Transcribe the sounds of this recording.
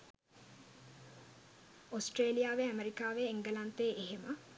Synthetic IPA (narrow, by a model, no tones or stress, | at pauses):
osʈreːlijaːʋeæmeɾikaːʋeeŋɡəlant̪eːʔeɦemə